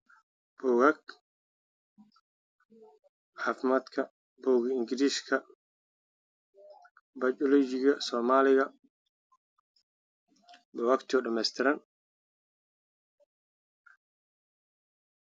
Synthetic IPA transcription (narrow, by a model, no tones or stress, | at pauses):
b̥ɔːɣɐk | ħaːfɪmaːd̪kʰɐ | bɔːɣɐɪŋɡɪɾiːskʰɐ | bɐjt͡ʃɔlɔt͡ʃɪɣɐsɔːmaːlɪɣɐ | bɔwakt̪ʰɪɔɖɐmɛjst̪ʰɪɾɐn